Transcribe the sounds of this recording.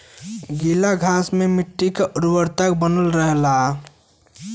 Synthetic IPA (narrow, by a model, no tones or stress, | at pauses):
ɡilaɡʱasmemiʈːikeʔɾuwəɾt̪ak̚bənəlɾəɦla